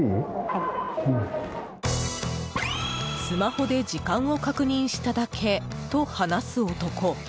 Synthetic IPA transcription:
sɨmaho̞d̪e̞d͡ʑikãɰ̃o̞kakɯ̟ɲ̟ĩɰ̃ɕi̥t̪ad̪akʰe̞t̪o̞hanasɨo̞t̪o̞kʰo̞

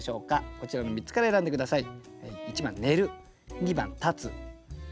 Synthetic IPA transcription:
ɕo̞ːkako̞t͡ɕiɾamomʲit͡sɨ̥kaɾae̞ɾãnd̪e̞kɯ̟d̪asaiit͡ɕibã̰nne̞ɾɯ̟ | ɲʲibã̰nt̪at͡sɨ

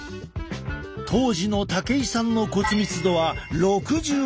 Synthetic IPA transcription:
t̪ʰo̞ːʑino̞t̪ake̞isãnːo̞ko̞t͡sɨmʲit͡sɨd̪o̞βaɾo̞kɯ̟ʑɨː

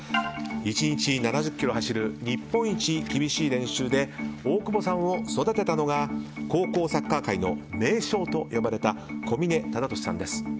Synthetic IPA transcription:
it͡ɕiɲit͡ɕinanaʑɨkʲːiɾo̞ɦaɕiɾɯ̟ɲ̟ipːõ̞ɰ̃it͡ɕikʲibʲiɕiːɾẽ̞ɰ̃ɕɨːd̪e̞o̞ːkɯ̟bo̞sãɰ̃o̞so̞d̪at̪e̞t̪ano̞ɡako̞ːko̞ːsakːakaino̞̰me̞ːɕo̞ːt̪o̞jo̞baɾe̞t̪akʰo̞mʲine̞t̪ad̪at̪oɕi̥t̪ã̰nd̪e̞sɨ̥

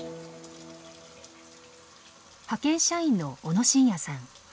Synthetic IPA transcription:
ɸakẽ̞ɰ̃ɕaĩnːo̞ːnoɕĩɰ̃jasãŋ

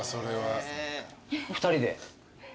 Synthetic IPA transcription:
soɾe̞βa | ɸɯ̟̥t̪aɾʲid̪ḛ

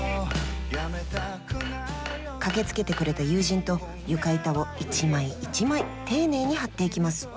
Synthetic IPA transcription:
kake̞t͡sɨ̥ke̞t̪e̞kɯ̟ɾe̞t̪ajɯːʑĩnt̪o̞ | jɯ̟kait̪aβo̞it͡ɕimaiit͡ɕimait̪e̞ːne̞ːɲ̟ihat̪ːe̞ik̬ʲimasɨ̥

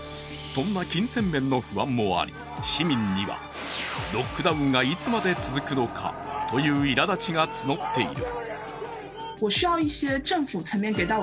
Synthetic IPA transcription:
sõ̞nːakʲĩɰ̃sẽ̞mːẽ̞nːo̞ɸɯ̟βãmːo̞a̰ɾʲḭ | ɕimʲĩɲ̟ːiβa̰ | ɾo̞kːɯ̟d̪aɯ̟̃ŋɡait͡sɨmad̪e̞t͡sɨzɨkɯ̟no̞kʰa̰t̪o̞jɯ̟ːiɾad̪at͡ɕiɡat͡sɨno̞t̪ʰːe̞ḭɾɯ̟ | wɔɕyjɑʊiɕjɛʈ͡ʂɤŋfut͡sʰəŋmjɛŋkeɪt̪ɑʊ

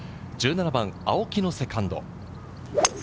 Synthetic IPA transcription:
d͡ʑɨːnanabãŋaokʲino̞se̞kãnd̪o̞̰

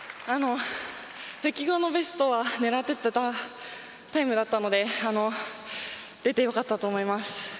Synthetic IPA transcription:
ano̞ | ɾɯ̟kʲiɡo̞no̞be̞sɨ̥t̪o̞βane̞ɾat̪ːe̞t̪ːat̪a | t̪aimɯ̟d̪at̪ːano̞d̪e̞ano̞ | d̪̥e̞t̪e̞jo̞kat̪ːat̪o̞ːmo̞imasɨ̥

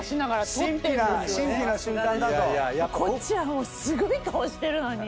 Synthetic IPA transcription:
ɕinaɡaɾatɕoĩmkĩnaɕĩmkʲinaɕɨ̃ŋkãnd̪aojajakot͡ɕiβamosɨɡo̞ikaoʑi̥t̪e̞ɾɯ̟noɲ̟i

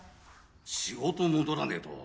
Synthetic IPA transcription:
ɕiɡot̪omod̪oɾanet̪o̰

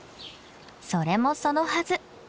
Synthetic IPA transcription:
so̞ɾe̞mo̞so̞nohazɨ

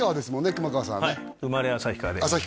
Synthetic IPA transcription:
kaβad̪e̞sɨmõ̞nːekɯ̟makaasãae | ɯmaɾe̞asaçi̥kad̪easaçi

